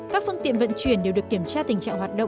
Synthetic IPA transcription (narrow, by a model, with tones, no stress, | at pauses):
kaː˦˥k̚fɨ˧əŋt̪ḭ˧˨ənvə̰˧˨nt͡ɕwi˧˩ənɗe˨˩wɗɨ˨˩əki˧˩əmt͡ɕaː˧t̪ï˨˩ŋ̟t͡ɕa̰ː˧˨ŋɦwaː˨˩t̚ɗə̰˧˨